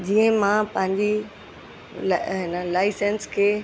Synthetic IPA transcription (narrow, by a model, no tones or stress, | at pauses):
d͡ʑĩːə̃mãpɐ̃ɦɪ̃ɲd͡ʑi | lɦɪnəlaːɪsənskʰeː